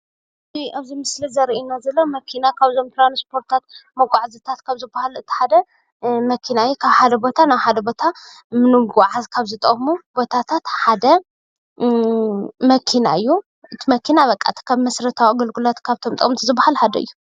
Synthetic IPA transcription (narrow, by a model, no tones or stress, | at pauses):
ɨt̪ʰiaβzimɨslizɐɾiʔinazɐlːomɐkʰinakʰaβzo̞mt̪ʰlanspʰo̞ɾt̪ʰat̪̚mɐɡʷʼaʕzɨt̪ʰat̪kʰaβzɨbːahalɨtb̪ʰi̥ħad̪ɐ | mɐkʰinaɨjːukʰaβħad̪ɐbo̞t̪ʰanaβħad̪ɐbo̞t̪ʰa | mɨnɨɡuʕazkʰaβzɨt̪ʼɐ̰kʼmubo̞t̪ʰat̪ʰat̪ħad̪ɐ | mɐkʰina̰ɨjːu | ʔɨt̪ʰimɐkʰinaβɐkʼːa̰t̪ʰi̥kʰaβmɐsɾɐt̪ʰawaɡɐlɡulat̪kʰaβt̪ʰomt̪ʼɨkʼmt̪ʰizɨbːahalħad̪ɐɨ̰jːu